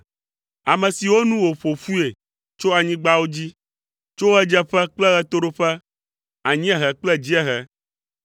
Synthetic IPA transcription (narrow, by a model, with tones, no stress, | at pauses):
a˨mɛ̃˨si˨wo˦nũ˦wo˨ɸo˨fu˦e˨ | t͡ʃo˦a˨ɲĩ˦ɡ͡ba˦wo˦d͡ʑi˦ | t͡ʃo˦ɛ˦d͡ʒɛ˦ɸɛ˦k͡plɛ˦ɣɛ˦t̪o˦ɖo˦ɸɛ˦ | a˨ɲĩ˦ɛ˦ɦɛ˨k͡plɛ˦d͡ʑi˦ɛ˦ɦɛ˦